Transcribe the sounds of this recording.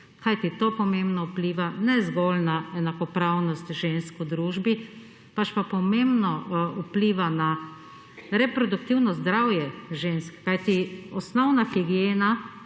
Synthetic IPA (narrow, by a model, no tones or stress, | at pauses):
kʰajt̪it̪opɔmẽmbnɔupliːʋanɛzɡoːlnaɛnakɔpɾawnɔst̪ʒenskʊd̪ɾuːʒbi | pat͡ʃpapɔmembnɔupliːʋana | ɾɛpɾɔd̪ukt̪iwnɔzd̪ɾawjɛʒenskkːajt̪iɔsnɔwnaxiɡijeːna